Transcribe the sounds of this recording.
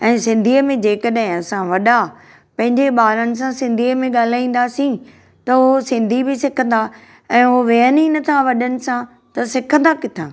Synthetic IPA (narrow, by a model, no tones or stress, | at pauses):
ɛ̃ːsɪ̃nd̪ʱiːəmẽd͡ʑeːkəɗɦɪ̃ɐsãʋɐɗa | pɐ̃ɦɪ̃ɲd͡ʑeɓaːɾənɪ̆s̬ãsɪ̃nd̪ʱiːəmẽɠaːl̤aːĩːn̆d̪asĩ | t̪ɐʊsɪ̃nd̪ʱibɪsɪkʰə̃n̆d̪a | ɛ̃ːɦoʋeəninɐt̪ʰaʋɐɗənɪ̆sã | t̪ɐsɪkʰə̃nd̪akɪt̪ʰã̰ː